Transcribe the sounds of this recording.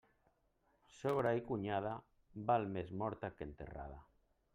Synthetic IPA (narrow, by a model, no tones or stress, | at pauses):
soβ̞ɾaikuɲað̞a | balmezmɔɾt̪akent̪ḛra̰ð̞a